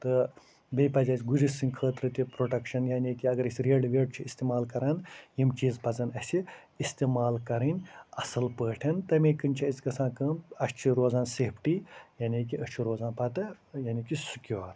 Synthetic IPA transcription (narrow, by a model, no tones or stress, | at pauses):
t̪ɨ | beːpɐzʲaːsʲɡud͡ʒisɨŋkʰəːt̪ɾɨt̪ipɾoʈɐkʃɐnjaːnʲeːkiɐɡɐɾisʲɾeːɖʋeːɖt͡ʃʰist̪iːmaːlkɐɾanjimt͡ʃiːzpɐt͡sɐnɐsʲi | ist̪iːmaːlkɐɾɐnʲɐsɐlpəːʈʰɐnt̪ɐmeːkɨnʲt͡ʃʰiɐsʲkɐsʰãːnkəːmɐst͡ʃʰiɾoːzaːnseːpʰʈijaniːk̬iɐʃt͡ʃʰiɾoːzaːnpɐt̪ɐ | jaːnikisukʲjoːɾ